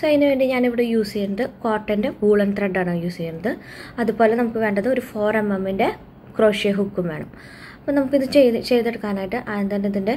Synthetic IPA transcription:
sɐjnːɨʋe̞ːɳɖiɲaːniʋiɽejuːsikʲːɐnːɐðɨkoːʈːɐnde̞uːɭɐnt̪reɖaːɳɨjuːsikːɐnːɐðɨɐðupo̞ːle̞nɐmukːɨʋe̞ːɳɖɐðɨoɾufoːremːɐmːinde̞ | kro̞ːʂjeɦukːumʋe̞ːɳɐm | ɐpːoːnɐmukːiðɨt͡ɕejt͡ɕe̞jt̪ːeɽɨkːaːnaːjiʈːɨʔaðent̪ɐnːeɐðinde̞

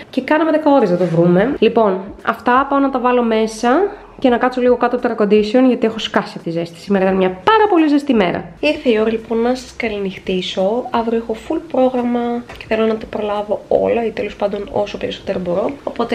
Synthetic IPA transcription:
ce̞kɐnɐmeðe̞kɐo̞ɾeznɐt̪o̞vɾume̞lipo̞nɐ̰ft̪ɐpɐonɐt̪ɐvɐlo̞me̞sɐ | ce̞nɐkɐt̪so̞liɣo̞kɐt̪ot̪ɾɐko̞nd̪iseo̞nʝɐt̪ie̞xo̞skɐsiɐft̪izest̪i̥simeɐit̪ɐnmɲɐpɐɾɐpo̞lizest̪ime̞ɾɐ̰iɾθeio̞ɾɐlipo̞nːɐsɐ̥skɐlinixt̪iso̞ɐvɾoexofulpɾo̞ɣɾɐmɐce̞θe̞lo̞nɐt̪ɐpɾo̞lɐvo̞o̰lɐit̪elo̞spɐnd̪o̞no̞̰so̞pe̞ɾiso̞t̪e̞ɾobo̞ɾo̞opo̞t̪e

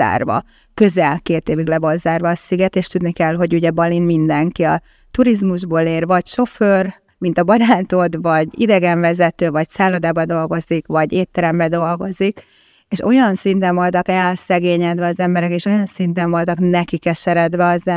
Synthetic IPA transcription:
a̰ːrvɒ̰ | kø̞zɛlkeːt̪eːviɡlɛvolzaːrvɒːsiɡɛt̪eːʃt̪ud̪nikɛlɦo̞ɟuɟɛbɒlinmind̪ɛŋkiɒ | t̪uɾizmuʒboːleːrvɒcʃo̞føːr | mint̪ɒbɒɾaːt̪o̞d̪vɒɟḭd̪ɛɡɛɱvɛzɛt̪øːvɒcsaːlod̪aːbɒd̪o̞lɡo̞zikvɒɟeːt̪ːɛɾɛmbɛd̪o̞lɡo̞zik | eːʃo̞jɒnsint̪ɛɱvo̞lt̪ɒkɛlsɛɡeːɲɛd̪ʋɛɒzɛmbɛɾɛkeːʃo̞jɒnsint̪ɛɱvo̞lt̪ɒknɛkikɛʃɛɾɛd̪ʋɛɒzɛ

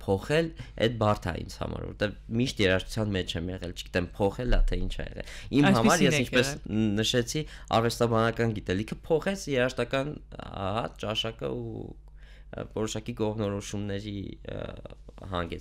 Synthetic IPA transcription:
pʰɔχɛlʔɛ̰d̪̚bɑrt̪ʰɑ̰ḭnt͡sʰhɑ̰mɑ̰ɾvɔ̰ɾt̪ɛvmiʃt̪jɛɾɑʃt̪ʰu̥t͡sʰjɑnmɛt͡ʃʰɛmjɛ̰ʁɛlt͡ʃʰəɡ̥i̥t̪ɛmpʰɔχɛlɑt̪ʰɛint͡ʃʰɛ̰jɛ̰ʁɛ̰limhɑmɑɾjɛsint͡ʃʰpɛsnəʃɛt͡sʰiɑ̰rɛst̪ɑbɑnɑkɑnɡit̪ɛlikʰəpʰɔχɛt͡sʰjɛɾɑʃt̪ɑkɑnhɑt͡ʃɑʃɑkə̰ṵ | vɔɾɔʃɑkikɔʁvnɔɾɔʃumnɛɾi | hɑ̰ŋɡɛt͡s

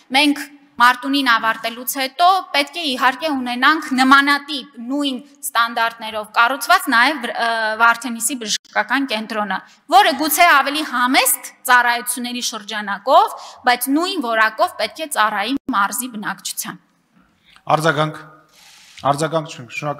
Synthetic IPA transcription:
mɛŋkʰ | mɑɾt̪uninɑvɑɾt̪ɛlut͡sʰhɛt̪ɔpɛt̪kʰɛiɦɑɾkɛunɛnɑŋkʰnəmɑnɑt̪ipnujn | st̪ɑnd̪ɑɾt̪nɛɾɔvkɑrut͡sʰvɑt͡snɑjɛvːɑɾt̪ʰɛnisibəʒəʃkɑkɑnkɛnt̪ɾɔnə | vɔɾəɡut͡sʰɛɑvɛlihɑmɛsk̪t͡sɑrɑjut͡sʰjunːɛɾiʃəɾd͡ʒɑnɑkɔvbɑjt͡sʰnujnvɔɾɑkɔvpɛt̪̚kʰɛt͡sɑrɑjimɑɾzibənɑkt͡ʃʰu̥t͡sʰjɑn | ɑ̰ɾd͡zɑɡɑŋkʰ | ɑɾd͡zɑɡɑŋkt͡ʃʰuɛkʰʃnɔɾɑk

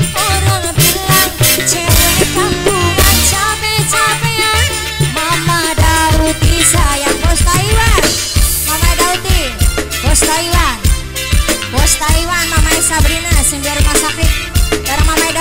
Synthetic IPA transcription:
ɔɾaŋbilaŋt͡ʃɛɾɛt̪əŋɡuŋant͡ʃamɛt͡ʃamɛa | mamadaut̪isajaŋbɔst̪aiwan | mamaidaut̪i | bɔst̪aiwan | bɔst̪aiwanmamaisabɾinasimbiaɾumasakɾit̪̚daɾamamaida

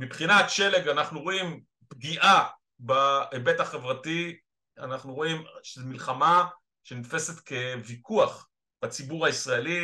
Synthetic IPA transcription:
mipχinatʃe̞leɡanaχnuʁo̞im | pɡiʔa | baebe̞taχe̞vʁati | a̰naχnuʁo̞imʃezmilχama | ʃenitfe̞se̞t̪ke̞vikʰuaχ | b̥at͡sibuʁhaisʁaeli

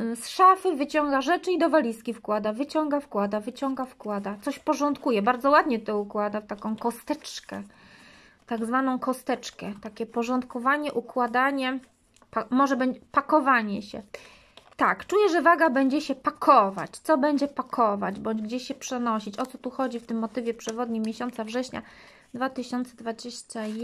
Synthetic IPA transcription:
sʂafɘvɘt͡ɕɔŋɡaʐɛt͡ʂɘid̪ɔvalʲiskʲifkwad̪avɘt͡ɕɔŋɡafkwad̪avɘt͡ɕɔŋɡafkwad̪at̪sɔɕpɔʐɔnt̪kujɛbaɾd̪zɔwad̪ɲɛt̪ɔukwad̪aft̪akɔ̃w̃kɔst̪ɛt͡ʂkɛ | t̪aɡzvanɔ̃w̃kɔst̪ɛt͡ʂkɛt̪akʲɛpɔʐɔnt̪kɔvaɲɛʔukwad̪aɲɛ | pamɔʐɛbɛd͡ʑpakɔvaɲɛɕɛ̰ | t̪akt͡ʂujɛʐɛvaɡabɛɲd͡ʑɛɕɛpakʰɔva̰t͡ɕt̪sɔbɛɲd͡ʑɛpakʰɔvad͡ʑbɔɲd͡ʑɡd͡ʑeɕɕɛpʂɛnɔɕit͡ɕɔt̪ɔt̪uxɔd͡ʑift̪ɘmːɔt̪ɘvʲjɛpʂɛvɔd̪ɲimːʲjeɕɔnt̪savʐɛɕɲa̰ | d̪vat̪ɘɕɔnt̪sɛd̪vad͡ʑeɕt͡ɕa

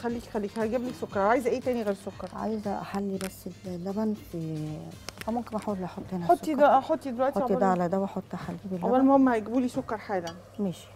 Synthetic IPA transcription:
xælːiːkxælːiːkhæjɡæblisokːɑɾˤʕaːjzʔæːt̪æːniɣæːɾsokːɑɾˤʕa̰jzʔæħalːibæsːed̪æbænt̪ | fæmomkenʔaħaːwelːiʔɑħot̪ˤːhenhæosːˤd̪æɑħot̪ˤːid̪elwæʔt̪oːˤid̪æʕlæd̪æwʔɑħot̪ˤːʔaħalːɡæbelːʔæwːælmohomːæhæjɡbuːlisokːɑɾˤħaːlæ | meʃi̥

